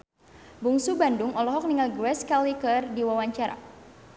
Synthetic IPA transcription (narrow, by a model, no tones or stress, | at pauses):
buŋsubanduŋɔlɔɦɔk̚niŋalɡɾɛskalikərdiwawaɲt͡ʃaɾa̰